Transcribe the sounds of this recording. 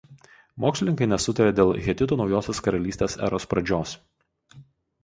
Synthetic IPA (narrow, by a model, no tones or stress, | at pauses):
moːksʲlʲɪnʲɪŋkɐɪnʲɛsʊt̪ɐɾʲeːd̪ʲeːlˠɣʲɛt̪ʲɪt̪uːnɒʊjoːsʲeːskɐɾɐlʲiːsʲt̪ʲeːsæ̰ːɾospɾɐd͡ʒʲoːs